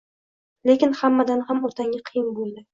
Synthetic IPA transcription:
le̞kʲɪnhamːad̪anhamɒt̪ʰaŋʲɪqʰɨjɪnbolˠd̪ɪ

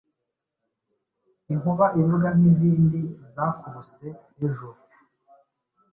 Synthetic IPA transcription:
iŋuβaʔiβuɾɡaniziːndizakusejeʒuɾu

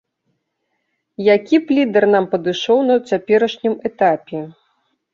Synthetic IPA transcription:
jakʲiplʲid̪ɐrnampɐd̪ɨʂɔwnɐt͡sʲapʲɛɾɐʂnʲimɛt̪apʲɛ

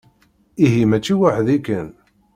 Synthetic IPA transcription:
iɦimæt͡ʃːiwaħðikːən

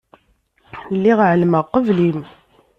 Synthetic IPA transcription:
lːiʁʕəlməʁqəvlim

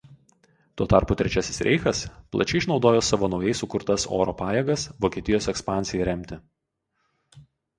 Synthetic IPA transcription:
t̪uɔt̪ɑˑɾpʊˑt̪ʲɾʲɛt͡ʃʲæsʲɪ̥sɾʲʔɛ̰ɪxɐsplˠɐ̰t͡ʃʲɛɪʃnɒʊd̪oːjoːsɑʋoːnɒʊjɛɪsʊkʊɾt̪ɐso̰ːɾoːpɑːjɛːɡɐsʋoːkʲiɛt̪ʲɪjoːsɛkspɑˑnʲsʲɪjɛɾʲɛmʲt̪ʲɪ

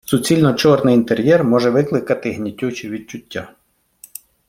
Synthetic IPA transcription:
sʊt͡sʲilʲnɔt͡ʃɔrnɪjint̪eɾʲjɛrmɔʒɛʋɪklˠɪkɐt̪ɪɦnʲitʲːut͡ʃiʋʲid̪̚t͡ʃʊtʲːa

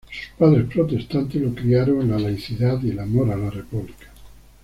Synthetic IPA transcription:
su̥spaðɾespɾot̪est̪ant̪elokɾiaɾoŋlalajθiðaðilamoɾalarepuβlikḁ

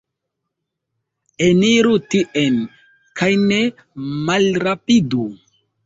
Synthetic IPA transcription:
eniɾutiʔen | kʰajne | malɾapidu

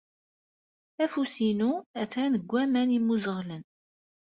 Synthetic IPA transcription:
æfusinuæθɾænəɡʷːæmænimːuzəʁlən

